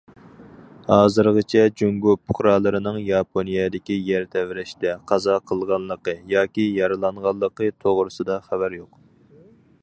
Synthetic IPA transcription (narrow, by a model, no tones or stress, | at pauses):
hɑːzɨɾʁət͡ʃʰɛd͡ʒøŋɡopʰːʊ̥χɾɑːlˠɨɾɨnɨŋjɑpʰonijɛd̪ɪkʲijɛɾt̪ʰɛvɾɪʃt̪ɛqʰɑzɑqʰəlˠʁɑnlˠəqəjɑːkʲijɑɾɨlˠɑɴʁɑlˠːəqət̪ʰoʁɾɨsɨd̪ɑχæbæɾjoq